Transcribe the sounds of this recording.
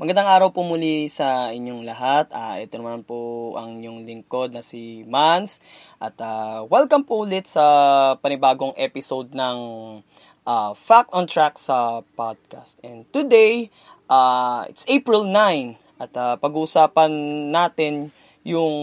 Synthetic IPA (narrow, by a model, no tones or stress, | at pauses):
mɐɡɐnd̪aŋʔaːɾɐwpomulisɐʔɪɲːoŋlɐɦat̪̚aːʔɛ̰t̪onɐmanpoʔɐ̰ŋɪɲoŋlɪŋko̞d̪̚nɐsimans | ʔɐt̪awɛlkɐmpoʔʊlɪt̪sɐpɐnɪbaːɡo̞ŋʔɛpɪsowd̪̚nɐŋ | ʔafak̚t̪ɔ̃nt̪ɹaksɐpad̪̚ka̰st̪ʔɛnd̪̚t̪ʊd̪ɛj | ʔaːʔɪ̰t̪sʔejpɹɪlnajn | ʔɐt̪apɐɡusaːpɐnːaːt̪ɪn | jʊŋ